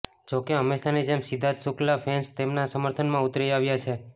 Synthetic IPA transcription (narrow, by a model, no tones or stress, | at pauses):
d͡ʒokeɦəmːeʃaned͡ʒemsid̪ʱat̪suklafʰenst̪emnasəməɾt̪ʰənmãʊt̪ɾiaʋjat͡ʃʰe